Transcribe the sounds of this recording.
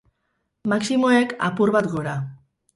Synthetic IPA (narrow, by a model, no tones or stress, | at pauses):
maksimoeka̰puɾβat̪ɡo̞ɾa